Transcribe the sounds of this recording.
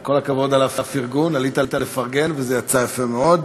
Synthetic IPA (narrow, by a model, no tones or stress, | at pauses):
ko̞lakavo̞d̪alavafiʁɡunalit̪at̪alefaʁɡe̞nvezejat͡sajafemeo̞d̪